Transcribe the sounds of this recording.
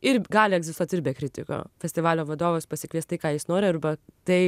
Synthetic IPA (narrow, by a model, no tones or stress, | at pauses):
ɪɾɡɑːlʲɪɛɡzʲɪst̪uɔt̪ʲɪɾʲbʲeːkɾʲɪt̪ʲɪ̰ko̰ːfʲɛsʲt̪ʲɪʋɑːlʲoːʋɐd̪oːʋoːspɐsʲɪkʋʲiɛst̪ɐɪkɑːjɪsnoːɾʲɪɐɾbɐt̪ɐɪ